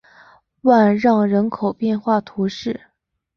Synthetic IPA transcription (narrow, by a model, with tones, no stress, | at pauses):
wa˥˧nɻɑ˥˩ŋɻə˧˥nkʰo˨˩ʊpjɛ˥˧nxwa˥˩t̪ʰu˧˥ʂɻ̩˥˩